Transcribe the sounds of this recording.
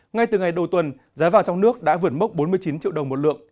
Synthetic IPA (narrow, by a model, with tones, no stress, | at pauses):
ŋa˧jt̪ɨ˨˩ŋa˨˩jɗə˨˩wt̪wə˨˩n | zaː˨˦vaː˨˩ŋt͡ɕɔ˧wŋ͡mnɨ˦˥ək̚ɗa̰ː˧˥vɨ˧˩ət̚mə˦˥k͡p̚ɓo˨˦nmɨ˧əjt͡ɕi˨˦nt͡ɕḭ˧˨wɗə˨˩wŋ͡mmo˨˩lɨ̰˧˨əŋ